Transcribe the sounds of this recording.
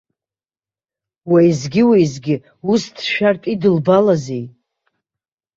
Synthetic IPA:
wajzɡʲɪwejzɡʲɪ | ustʰʃᶣartʼidɨlbalazej

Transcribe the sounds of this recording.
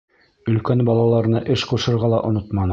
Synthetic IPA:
ɵ̆lkænbɑlˠɑlˠɑɾɤ̆nɤʔɘʃquʃɤ̆ɾʁɑlˠɑʔŏnot̪mɑn

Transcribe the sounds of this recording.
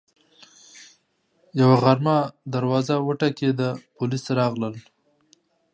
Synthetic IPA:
jawaɣaɾmad̪aɾwɑzawəʈaked̪apʊlisɾɑɣləl

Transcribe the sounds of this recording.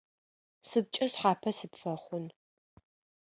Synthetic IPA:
sɨd̚t͡ʃʼɐɕħaːpʰɐsɨpfɐχʷʊn

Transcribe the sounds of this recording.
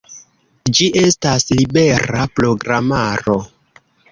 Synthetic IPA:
d͡ʒiʔe̞staslibe̞ɾapɾo̞ɡɾamaɾo̞

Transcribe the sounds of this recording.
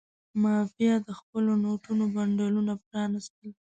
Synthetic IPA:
mɑfijad̪əxpəlonoʈunobaɳɖɑlunapɾɑnɪst̪əl

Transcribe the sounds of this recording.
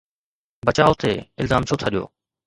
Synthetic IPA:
bɐt͡ɕaːot̪eɪlzaːmt͡ɕʰot̪ʰaɗijo̰ː

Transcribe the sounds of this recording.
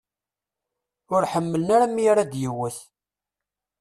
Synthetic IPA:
ʊɾħəmːələnaɾæmijaɾad̪jəwəθ

